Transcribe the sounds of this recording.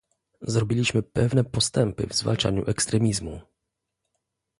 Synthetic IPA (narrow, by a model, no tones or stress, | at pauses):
zɾɔbʲilʲiɕmɘpɛvnɛpɔst̪ɛmpɘ̰vzva̰lt͡ʂa̰ɲṵʔɛkst̪ɾɛmʲizmu